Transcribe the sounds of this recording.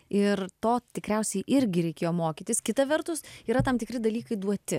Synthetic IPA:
ɪɾt̪oːt̪ʲɪkɾʲɛʊsʲɛɪʔɪɾʲɡʲɪɾʲɛɪkʲeːjoːmoːkʲiːt̪ʲɪskʲɪt̪ɐʋʲɛɾt̪ʊsiːɾɐt̪ɐmt̪ʲɪkɾʲɪd̪ɐlʲiːkɐɪd̪uɔt̪ʲɪ

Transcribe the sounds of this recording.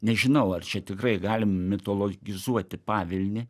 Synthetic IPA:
nʲɛʒʲɪnɐʊɐrt͡ʃʲɛt̪ʲɪkɾɐɪɡɑːlʲɪmmʲɪt̪oːlˠoɡʲɪzuɔt̪ʲɪpɑːʋʲɪlʲnʲɪ

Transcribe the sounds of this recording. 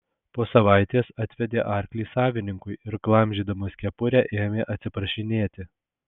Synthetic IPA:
poːsɐʋɑɪt̪ʲeːsɑt̪ʲʋʲɛd̪ʲeːʔɑɾʲklʲiːsɑːʋʲɪnʲɪŋkʊɪɪɾklˠɐmʲʒʲiːd̪ɐmoːsʲkʲɛpʊɾʲɛʔeːmʲeːʔɐt̪ʲsʲɪpɾɐʃʲɪnʲeːt̪ʲɪ

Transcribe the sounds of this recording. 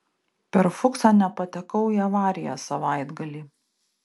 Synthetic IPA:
pʲɛɾfʊksɑnʲɛpɐt̪ʲɛkɐʊiɐʋɑːɾʲɪjo̰ːsɐʋɑˑɪd̪ɡɐlʲiː

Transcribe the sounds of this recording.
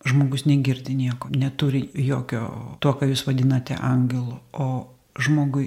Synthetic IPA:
ʒmoːɡʊsnʲɛɡʲɪrʲd̪ʲɪnʲiɛkoːnʲɛt̪uːɾʲɪjoːkʲo̰ːt̪uɔkɐjuːsʋɐd̪ʲɪnɐt̪ʲɛ̰ʔɐŋʲɡʲɛlˠʊoː | ʒmoːɡʊɪ

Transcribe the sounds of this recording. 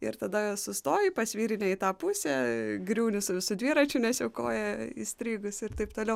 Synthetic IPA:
ɪ̰ɾt̪ɐd̪ɐsʊst̪oːjɪpɐsʲʋʲiːɾʲɪnʲɛɪt̪ɑːpusʲɛɡɾʲuːnʲɪsʊʋʲɪsʊd̪ʲʋʲiːɾɐt͡ʃʲunʲɛsʲjɛʊko̰ːjɛḭsʲt̪ʲɾʲiːɡʊsɪɾt̪ɐɪpt̪oːlʲɛʊ

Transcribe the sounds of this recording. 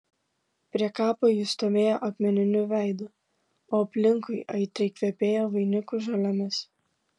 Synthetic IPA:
pʲɾʲiɛkɑːpoːjuːst̪oːʋʲeːjoːʔɐk̪ʲmʲɛnʲɪnʲʊʋʲɛˑɪd̪ʊ | oːɐpʲlʲɪŋkʊɪʔɐɪt̪ʲɐɪkʋʲɛpʲeːjoːʋɐɪnʲɪkʊʒɐlʲɐmʲɪs

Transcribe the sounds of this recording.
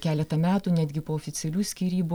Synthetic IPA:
kʲæːlʲɛt̪ɐmʲæːt̪uːnʲæːd̪ʲɡʲɪpoːɔfʲɪt̪sʲɛlʲuːsʲkʲiːɾʲiːbu

